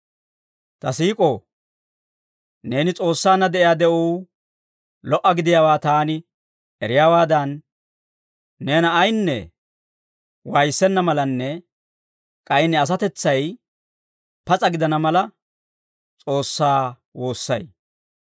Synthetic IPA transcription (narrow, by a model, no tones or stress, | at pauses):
t̪ɐsiːkʼo̞ː | ne̞ːnɪt͡sʼo̞ːsːaːnːɐd̪ɛʔɪjaːd̪ɛʔuː | lɔʔɐɡɪd̪ɪjaːwaːt̪aːnɪ | ʔɛɾɪjaːwaːd̪ɐn | e̞ːnɐːjnːɛ̰ | wɐjsːɛnːɐmɐlɐnːɛ | kʼɐjɪnɪɐs̬ɐt̪ɛt͡sːɐj | pɐt͡sʼɐɡɪd̪ɐnɐmɐlɐ | t͡sʼo̞ːsːaː | wo̞ːsːɐ̰j